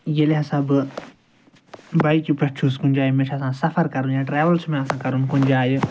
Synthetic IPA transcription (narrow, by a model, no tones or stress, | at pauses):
jeleɦɐsãbɨ | bajkipɐt͡ʃʰuskũnʲd͡ʒaːjmẽt͡ʃʰɐsãːsɐfʰɐɾkɐɾũnd͡ʒãːʈɾeːʋɐlsmẽɐsãːkɐɾunkʊ̃nʲd͡ʒaːj